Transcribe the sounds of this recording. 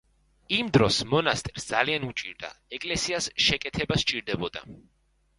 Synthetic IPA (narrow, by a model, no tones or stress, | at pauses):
imd̪ɾɔsmɔnast̪ʼɛɾ̥sd̪zalianut͡ʃʼḭɾd̪a̰ɛkʼlɛsiasʃɛkʼɛt̪ʰɛbast͡ʃʼiɾd̪ɛbɔd̪a̰